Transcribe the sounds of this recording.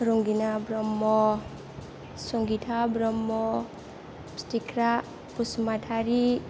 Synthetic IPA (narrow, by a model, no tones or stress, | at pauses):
ɾuŋɡinabɾɔmːɔ | sɔŋɡitʰabɾɔmːɔ | stikʰɾa | pusmatʰaɾi